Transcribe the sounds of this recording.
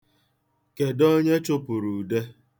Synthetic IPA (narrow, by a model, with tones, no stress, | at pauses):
ke˨dɔ˦ɲe˦t͡ʃʊ˦pʊ˨ɾu˨de˦